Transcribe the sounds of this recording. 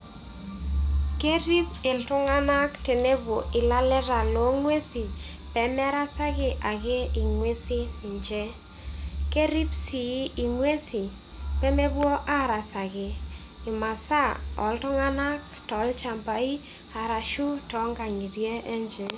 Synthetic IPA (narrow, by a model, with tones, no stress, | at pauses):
ke˦ɾi˦pɪ˨ltʊ˦ŋa˦na˦kte˨ne˦bwo˨ʔɪ˨la˦lɛ˦ɾa˨lo˨˦ŋwe˦si˨ | pɛ˨mɛ˦ɾa˦sa˦ɡɪ˨ʔa˨ɡe˦i˨ŋwe˦si˦nɪ˨ɲd͡ʒɛ˦ | ke˦ɾi˦psi˨˦i˨ŋwe˦si˨ | pɛ˦me˦bwo˦ʔa˦ɾa˨sa˨ɡɪ˨ | ɪ˨ma˨sa˦ɔ̰˨ltʊ˦ŋa˦na˦k | tɔ˨˦lt͡ʃa˨mpa˨i˦ | a˨ɾa˨ʃu˦tɔ˨˦ŋɡa˨ŋi˨dje˦ɛ˦ɲd͡ʒɛ˨